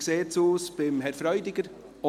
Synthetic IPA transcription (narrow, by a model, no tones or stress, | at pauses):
kseːt͡suːsb̥ɪmɦɛɾfɾœʏdɪɡəɾ | ɔ